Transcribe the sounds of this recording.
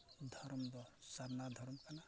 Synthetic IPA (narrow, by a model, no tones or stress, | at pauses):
d̪ʱɔɾmdɔsadnad̪ʱɔɾmkana